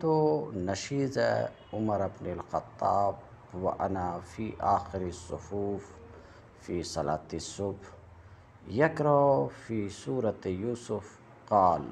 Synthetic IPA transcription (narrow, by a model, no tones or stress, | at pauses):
t̪unɐʃiːza̰ | ʊmɐɾabnɪlxɑt̪ˤːɑːb | wa̰ʔanaːfiːʔaːxɪɾisˤːʊfuːfː | iːsɑlaːt̪ɪsːʊb | jakɾɑfiːsuːɾɑt̪juːsʊf | qɑːl